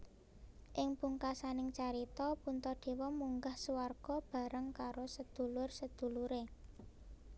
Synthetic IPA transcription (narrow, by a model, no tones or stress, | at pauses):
ʔɪŋpuŋkasanɪŋt͡ʃaɾit̪ɔpunt̪ɔɖ̪̥e̤wɔmuŋɡahsuwarɡ̥ɔb̥a̤ɾəŋkaɾosəd̪̥ṳlʊrsəd̪̥ṳluɾe